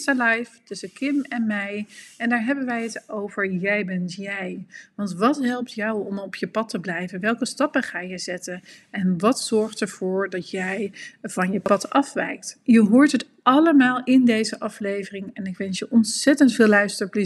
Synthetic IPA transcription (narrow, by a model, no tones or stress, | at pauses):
stalɑjftɵsəkɪmɛnmɛjɛndaːɹɦɛbənʋɛjɦətowvəɹjɛjbɛntjɛjʋɑntʋɑtɦɛlˠp̚tjɑwɔmɔpjəpɑtəblɛjvənʋɛlˠkəstɑpəχaːjɛjzɛtənɛnʋɑtsɔɹχtəɹv̥ʊːɹdɑtjɛjvɑnjəpɑtɑfʋɛ̰jk̚tjəɦʊːɹtɦət | ɑləmaːlˠɪndejzəʔɑflejvərɪŋɛnɪkʋɛnsjəʔɔnsɛtəntfɪːlɛɥstəɹpli